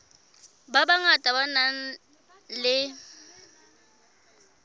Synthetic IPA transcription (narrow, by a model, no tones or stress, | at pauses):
babaŋatʼabanaŋ̩ | lɪ